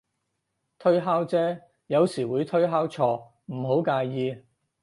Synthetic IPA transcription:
t̪ʰɵ˥ɥɦaː˥wt͡sɛː˥ | jɐ˨˧wsiː˨˩wuː˨˧jt̪ʰɵ˥ɥɦaː˥wt͡ʃʰɔː˧ | m̩˨˩ɦo˨˥wkaː˧jjiː˧

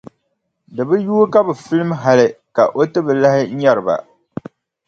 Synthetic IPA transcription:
dɨ˨bɨ˦juː˦ka˦bɨ˨fɨ˦lɨ˦mɦa˨lɪ˨ka˨ʔo˦tɨ˦bɨ˨la˦hɪ˦ɲɛ˦ɾɨ˨ba̰˨

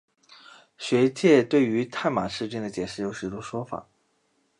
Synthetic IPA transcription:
ɕɥɛ˧˥t͡ɕjɛ˥˧t̪we˥˩ɪy˧˥t̪ʰa˥˩nma˨˩ʂɻ̩˥˧t͡ɕɛ˥˩ŋd̪ə˩t͡ɕjɛ˨˩ʂɻ̩˥˩jo˧˥ʊʂɻ̩˧˥˩t̪u˥ʂwɔ˥fa̰˨˩˦

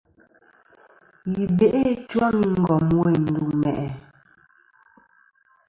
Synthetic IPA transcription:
ji˨be˨ʔe˦t͡ʃwa˦ŋi˦ŋ̩˦˨ɡɔ˨mwe˨n̩˨du˨mɛ̰˨ʔɛ˨

